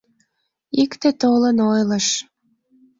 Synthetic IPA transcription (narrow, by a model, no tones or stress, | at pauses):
ikt̪ĕt̪olənojləʃ